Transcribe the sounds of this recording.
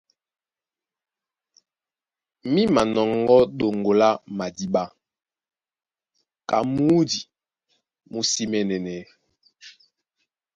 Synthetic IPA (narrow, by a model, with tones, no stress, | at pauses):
mi˦ma˨nɔ˨ŋɡɔ˦ɗo˨ŋɡo˨la˦ma˨di˦ɓa˦ | ka˨mu˦di˨ | mu˦si˦mɛ˦nɛ˨nɛ˨